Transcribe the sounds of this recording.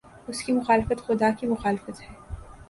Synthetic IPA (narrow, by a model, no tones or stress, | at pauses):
ʊskimʊxaːlɪfət̪xʊd̪akimʊxaːlɪfət̪ɦɛː